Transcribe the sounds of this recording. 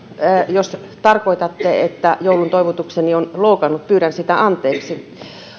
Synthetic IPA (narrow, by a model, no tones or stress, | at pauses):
jos | t̪ɑrkoit̪ɑt̪ːeet̪ːæjoulunt̪oiʋut̪uksenionloukɑnːut̪̚pyːɾænsit̪æʔɑnt̪ˑeːksi